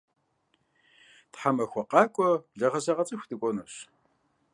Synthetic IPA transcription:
tħamɐxʷɔqɑːkʷʼɔbɮɐʁɐzɐʁɐt͡sʼɨxʷdɨkʷʼɔnɐɕ

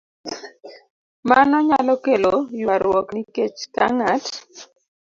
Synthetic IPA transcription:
manɔɲalɔkelojwaɾwɔkniket͡ʃka̰ŋat

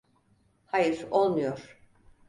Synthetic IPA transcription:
hajɯɾolˠmujoɾ̥

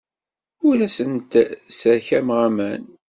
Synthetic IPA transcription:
ʊɾæsənt̪səɾçæmʁamæn

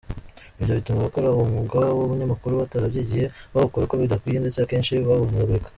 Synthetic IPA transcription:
iβɟo̞βitumaβakoɾaβomuːŋɡaβaβoβuɲamakuɾuβataɾabɟiɟihe̞βaβukoɾako̞βidakwijendet͡seakeːnʃiβaβunzaβekḁ

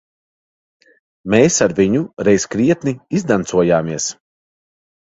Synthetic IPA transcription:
meːsaɾviɲuɾɛjskɾiɛt̪niizd̪ant̪suɔjaːmiɛs

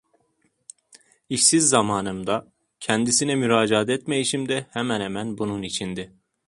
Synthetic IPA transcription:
iʃsizːamaːnɯmd̪a | cʰɛnd̪isinɛmyɾaːd͡ʒaɦat̪ɛt̪mejiʃimd̪ɛhɛmænhɛmænbununit͡ʃʰind̪ɪ

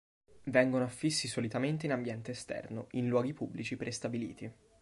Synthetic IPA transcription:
vɛŋɡonoafːisːisolit̪ament̪̬einambjɛnt̪eːst̪ɛ̰rnoʔinlwɔːɡipubːlit͡ʃipɾest̪abilḭːt̪i

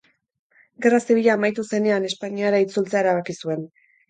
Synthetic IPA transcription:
ɡe̞rasiβiʎaːmajt̪use̞ne̞ane̞spaɲiaɾait͡sult͡seae̞ɾaβakisue̞n

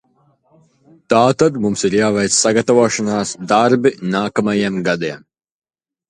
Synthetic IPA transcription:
t̪aːt̪ad̪mumsiɾjaːvɛjt̪ssaɡat̪avoːʃɐnaːsd̪aɾbinaːkamajemɡad̪ɛɛm

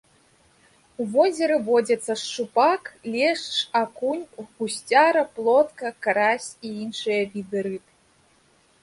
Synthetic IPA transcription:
uvɔzʲɛɾɨvɔd͡zʲɐt̪sːɐʂt͡ʂupaklʲɛʂt͡ʂakunʲɣusʲt͡sʲaɾɐplˠɔt̪kɐkaɾasʲiinʂɨjɐvʲid̪ɨɾɨt̪

